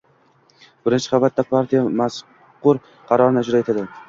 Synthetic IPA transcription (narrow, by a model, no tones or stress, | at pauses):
bɪɾɪnt͡ʃʰɪ̥χɑvat̪̚ːapʰaɾt̪ʰijamas | qːʊɾ | qʰɑɾɒɾɪnad͡ʒɾaet̪ʰad̪ɪ